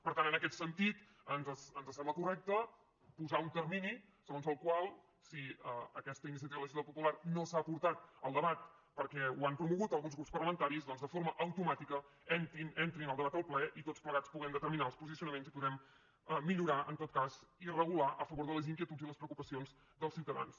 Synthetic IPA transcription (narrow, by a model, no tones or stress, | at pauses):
pəɾt̪anənəkɛt̪sənt̪it̪ | ənzəsənzəsɛmbləkurɛk̚t̪ə | puzaunt̪əɾmini | səɣonzəlˠkwalˠ | siəəkɛst̪əinis̬iət̪iβəlˠəʒiəpupularnosaːpuɾt̪at̪̚əlˠd̪əβat̪̚pəɾkɛuampɾumuɣut̪əlˠɣunzɣɾupspərləmənt̪aɾizðɔnzðəfoɾməʔəwt̪umat̪ikə | ɛnt̪inent̪ɾinəlˠd̪əβat̪əlˠplɛʔit̪ott͡spləɣat͡spuɣɛmd̪ət̪əɾminaəlˠspuzisiunəmenzipuðɛm | əmːiʎuɾaʔənt̪ot̪̚kazirəɣulaʔəfəβoɾðələziŋkjiət̪uziləspɾəukupəsionz | d̪əlˠsjiwt̪əða̰ns